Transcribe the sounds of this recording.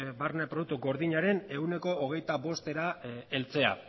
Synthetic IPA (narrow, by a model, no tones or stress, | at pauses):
barnepɾouk̚t̪uɡo̞ɾðiɲaɾe̞ne̞wne̞ko̞ːɣ̞e̞jt̪aβo̞st̪e̞ɾae̞lt͡se̞a̰